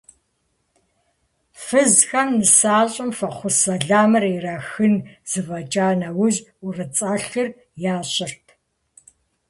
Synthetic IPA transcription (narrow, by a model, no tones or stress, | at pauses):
fɨzxɐmnɨsaːɕʼɪmfɐχʷʊsɐɮaːmɐriraːxɨnz̥ɨvɐt͡ʃʼaːnɐwʊʑʊrɨt͡sʼaːɬɨr | jaːɕɪrtʰ